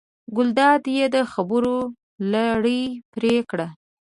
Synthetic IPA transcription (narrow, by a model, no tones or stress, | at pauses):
ɡʊld̪ɑd̪jed̪əxabəɾo | laɽəjpɾekɽa